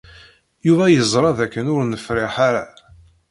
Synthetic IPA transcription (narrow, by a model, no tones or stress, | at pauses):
juvæjəzˤɾˤɑðækːənʊɾnəfɾɪħaɾa